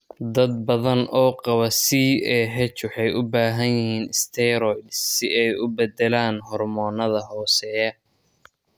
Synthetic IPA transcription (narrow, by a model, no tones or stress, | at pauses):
d̪ɐd̪̚bɐðɐnʔɔːqɑβɐsiɛːɦɛt͡ʃħɑjʊbaːɦɐnjɪhiːnɪst̪ʰɛɾɔjd̪sɪɛjʊbɛd̪ɛlaːnɦɔrmɔːnɐðɐɦɔːsɛɐ